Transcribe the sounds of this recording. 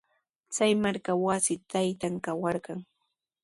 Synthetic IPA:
t͡sajmaɾkawasɪt̪ajt̪aŋkawɑɾɢɑŋ

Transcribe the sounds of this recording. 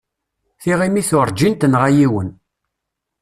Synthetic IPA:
θiʁimiθʊɾˤd͡ʒint̪ənʁajiwən

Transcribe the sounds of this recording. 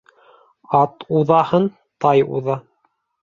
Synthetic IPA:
ɑt̪uðɑhɤn | t̪ɑjṵðɑ

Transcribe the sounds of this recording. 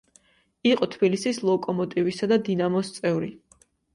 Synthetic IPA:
iqʼɔt̪ʰbilisislˠɔkʼɔmɔt̪ʼivisad̪ad̪inamɔst̪sʼɛvɾi

